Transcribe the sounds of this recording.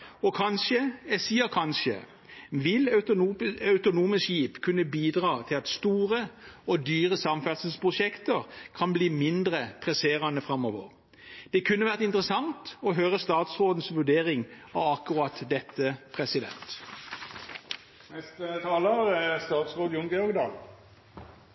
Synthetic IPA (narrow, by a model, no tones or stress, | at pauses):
ɔkʰɑnʃəɛsiːəkʰɑnʃə̰ | ʋɪl | ɑʉt̪ʊnuːməsʃiːpkʰʉnːəbiːd̪ʁɑːt̪ʰɪlɑt̪st̪uːʁəɔd̪yːʁəsɑmfælsəspʁʊʃɛkt̪əʁkʰɑnbliːmɪnd̪ɾəpʰʁɛseːɾɑnəfɾɑmɔːʋə̰ʁ | d̪̥ɛkʰʉnːəʋæːʁət̪ɪnt̪əʁəsɑŋt̪ɔɦøːʁəst̪ɑːt̪sʁoːd̪n̩sʋʉɖ̪eːʁɪŋɑʋɑkːʊʁɑːt̪d̪ɛt̪ːəpʰʁɛsɪd̪ɛ̰nt̪ | nɛst̪ət̪ʰɑːləɾst̪ɑːt̪sʁoːd̪ʊŋɡəɔɡd̪ɑːl